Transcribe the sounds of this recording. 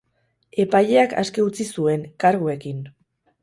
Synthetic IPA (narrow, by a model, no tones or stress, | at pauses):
e̞paʎe̞akʰa̰ske̞ut͡sisue̞ŋkaɾɣue̞kin